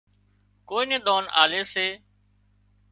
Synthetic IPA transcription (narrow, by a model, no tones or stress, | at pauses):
koːiːnẽːɗ̪oːna̰ːleːseː